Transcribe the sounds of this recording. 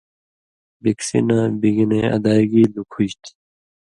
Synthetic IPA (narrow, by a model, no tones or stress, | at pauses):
biksḭnãːbiɡineɐ̰d̪aːɡiːlukʰuɕt̪ʰ